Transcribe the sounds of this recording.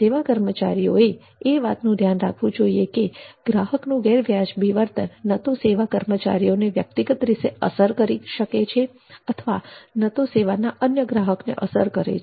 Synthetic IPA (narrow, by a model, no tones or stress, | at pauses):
eʋakəɾmət͡ʃa̰ɾijoe | eʋat̪nũd̪ʱjanɾakʰʋũd͡ʒoiekeɡ̥ɾaɦəknũɡeɾʋjad͡ʒʋiʋəɾt̪ənːət̪oseʋakəɾmət͡ʃa̰ɾijoneʋjək̚t̪iɡət̪ɾiseəsəɾkəɾiʃəket͡ʃʰe | ət̪ʰəʋanət̪oseʋanaʔənjəɡɾaɦəknḛʔəsəɾkəɾḛt͡ʃ